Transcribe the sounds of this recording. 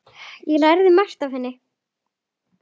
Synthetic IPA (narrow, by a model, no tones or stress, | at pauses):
jɛlajɾðɪmast̪av̥hɛnːɪ